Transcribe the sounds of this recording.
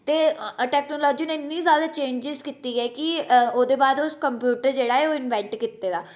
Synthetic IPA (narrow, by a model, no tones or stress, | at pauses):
t̪eːʈɛːknoːlɔːd͡ʒiːneɪnːiːzjaːd̪aːt͡ʃẽːɲd͡ʒɪzkiːt̪iːɛːkɪoːd̪eːbaːd̪ʊskəmpjuːʈəɾd͡ʒeːɽaːɛːoːɪnʋɛ̃ɳʈkit̪ːeːd̪aː